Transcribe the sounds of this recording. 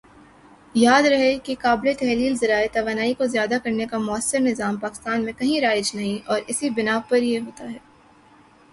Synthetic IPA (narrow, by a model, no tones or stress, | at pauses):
jaːd̪ɾɐɦekekaːblet̪ɛɦliːlzɐɾaːet̪ɐʋaːnaːikozjaːd̪akɐɾnekamʊəsːɪɾnɪzaːmpaːkɪ̥st̪aːnmẽkɐɦĩɾaːɪd͡ʒnɐɦĩʔɔːɾɪsibɪnaːpɐɾjeɦoːt̪aɦɛː